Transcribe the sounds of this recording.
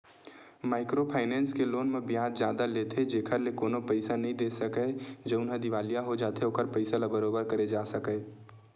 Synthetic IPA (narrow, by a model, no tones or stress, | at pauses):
maːɪkɾopʰaːɪnɛːnskeloːnmẽbjãːd͡ʒd͡ʒjaːd̪alet̪ʰed͡ʒeːkʰəɾlekoːnopəɪsanəɦĩd̪eːsəkəd͡ʒəʊnɦə̃d̪ɪʋaːlijaɦod͡ʒaːt̪eoːkəɾpəɪsalabəɾoːbəɾkɐɾed͡ʒaːsəkə